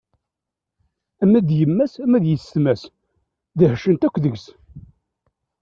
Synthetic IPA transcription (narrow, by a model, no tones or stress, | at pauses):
æmæd̪jəmːæsæmæðjəst̪mæs | ðəhʃənt̪ækʷːðəɡs